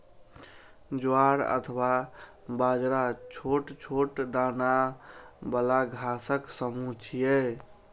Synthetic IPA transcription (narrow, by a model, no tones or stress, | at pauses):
d͡ʒoaɾə̰t̪ʰwa | bad͡ʒɾat͡ʃʰoʈt͡ʃʰoʈd̪ana | bəlaɡʱasəksəmut͡ʃʰijɛ